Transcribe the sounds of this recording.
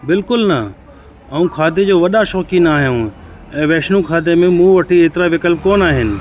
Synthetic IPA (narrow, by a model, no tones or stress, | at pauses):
bɪlkʊlnɐ | ɐũkʰaːd̪ʱed͡ʑoːʋɐɗaʃɔːkĩnaːɦjũɛ̃ːʋɛːʃnũkʰaːd̪ʱemẽmũʋɐʈʰieːt̪ɪɾaʋɪkəlp̚koːnaːɦɪnɪ̆